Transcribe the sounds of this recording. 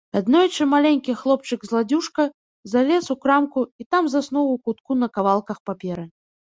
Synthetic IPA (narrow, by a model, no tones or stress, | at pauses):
ad̪nɔjt͡ʂɨmalʲenʲkʲixlˠɔp̚t͡ʂɨɡzlˠad͡zʲuʂkɐ | zalʲɛsukɾamkuit̪amzasnɔwukut̪̚kunɐkavalˠkɐxpapʲɛɾɨ